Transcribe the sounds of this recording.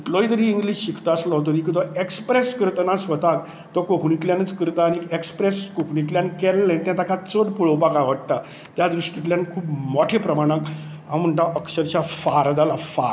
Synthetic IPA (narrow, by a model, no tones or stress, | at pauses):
iʈ̪lɔjt̪əɾiːŋɡliːɕɕikʰt̪aəslɔɦt̪̬əɾik̬it̪ɔekspɾɛskɾt̪nãsʋət̪ak | t̪ɔkokʰɽik̪ljanət͡skəɾt̪aːɽ̃iekspɾɛskokʰɳit̪ljankɛlːɛ̃t̪jãt̪akat͡səɽpuɭəpakaʋəʈʈ̪a | t̪jad̪ɾuʂʈit̪ljãnkʰuːpmɔʈʰepɾəmaɽ̃ãk | ɦãw̃m̤əɳʈ̪aʔəkɕəɾt͡ɕjafaɾd͡zalafaɾ